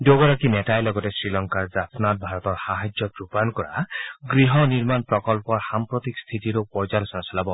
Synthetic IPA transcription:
doɡɔɾakinetajlɔɡɔtesɹilɔŋkaɹzapʰnat̚bʱaɹɔt̪ɔɹxaɦad͡ʒjɔtɾupankɔɹa̰ɡɾiɦɔniɹmanpɹɔkɔlpɔɹxampɹɔt̪ikst̪ʰitiɾupɔɹd͡ʒalɔsɔnasɔlabɔ

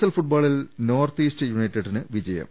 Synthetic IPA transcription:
sɐlfuʈ̚baːɭilno̞ːrt̪iːstɨjunɐjtːɐɖinɨʋid͡ʑɐjɐ̰m

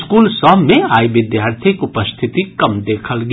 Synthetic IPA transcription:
skuːlsɔmːẽaːjʋɪd̪jaːɾt̪ʰikʊpəst̪ʰɪt̪ikɐmd̪eːkʰəlɡ

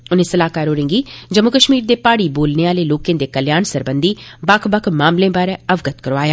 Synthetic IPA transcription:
ʊnẽsəlaːkaːɾoːɾẽːŋɡiːd͡ʒəmʊkəʃmiːɾd̪eːpaːɽiboːlneːaːleːloːkẽːd̪eːkəljaːnsəɾbənd̪iːbɐkʰbəkʰmaːmlẽːbaːɾeəʋɡət̪kəɾoʋaːjaː

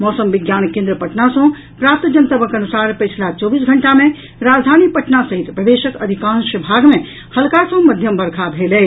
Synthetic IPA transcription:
mɔsəmʋiɡjankẽnd̪ɾəpəʈnasə̃ | pɾap̚t̪d͡ʒənt̪əbəkənusaɾpət͡ʃʰlat͡ʃɔbisɡʱəɳʈamẽ | ɾad͡ʒd̪ʱanipəʈnasəɦit̪pəd̪eʃəkəd̪ʱikãnsəbʱaɡme | həlkasə̃məd̪ʱjəmbəɾkʰabʱelɛ

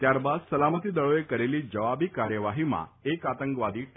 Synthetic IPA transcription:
t̪jaɾbad̪səlamət̪iːd̪əɭojekəɾeliːd͡ʑəʋabiːkaɾjəʋaɦima̰ekat̪əŋkʋad̪iːʈ

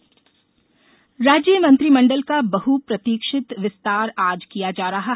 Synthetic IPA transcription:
ɾaːd͡ʒjəmɐ̃nt̪ɾimɐ̃ɳɖəlkabɐɦupɾɐt̪iːkʃɪt̪ʋɪst̪aːɾaːd͡ʒkijad͡ʒaːɾɐɦa

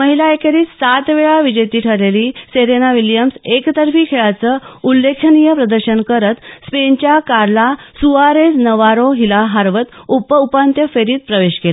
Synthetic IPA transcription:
məɦilaekeɾiːsat̪ʋeɭaʋid͡ʑət̪iːʈʰəleliːseɾenaʋiljəmsekt̪əɾfiːkʰeɭat͡səulːekʰənijəpɾəd̪əɾɕənkəɾət̪spent͡ɕjakaɾlasuaɾed͡znəʋaɾoɦilaɦaɾʋət̪upəupant̪jəfeɾiːt̪̚pɾəʋeɕkela

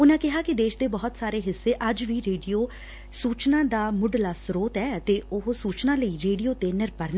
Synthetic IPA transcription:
ʊnãːkɪɦaːkɪd̪eːʃd̪eːbɔːt̪saːɾeːɦɪsːeːʔəd͡ʒʋiːɾeːɖijoː | suːt͡ʃnãːd̪aːmʊɖlaːsɾoːt̪ɛːt̪eːʊɦsuːt͡ʃnãːləiːɾeːɖijoːt̪eːnɪɾpəɾn

